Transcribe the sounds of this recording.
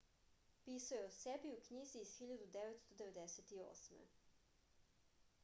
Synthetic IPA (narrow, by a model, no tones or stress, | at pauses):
piːsujɛsɛbiukɲiːziːsxiːʎʲad̪ud̪ɛːʋɛt̪st̪ɔd̪ɛʋɛd̪ɛsɛt̪io̰ːsmɛ̰